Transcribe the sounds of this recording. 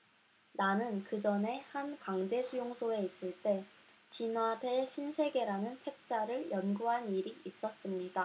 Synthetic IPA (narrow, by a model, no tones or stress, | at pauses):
nanɯnkɯd͡ʑʌne̞hankaŋd͡ʑe̞sʰujoŋsʰoe̞is͈ɯɭt͈e̞ | t͡ɕinwadʰe̞ɕʰinsʰe̞ɡe̞ɾanɯnt͡ɕʰe̞k̚t͡ɕ͈aɾɯɭjʌnɡuɦaniɾiːs͈ʌs͈ɯmɲida